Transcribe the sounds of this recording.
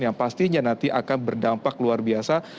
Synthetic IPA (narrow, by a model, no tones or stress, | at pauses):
jaŋpast̪iɲanant̪iʔakanbərdampakluarbiasa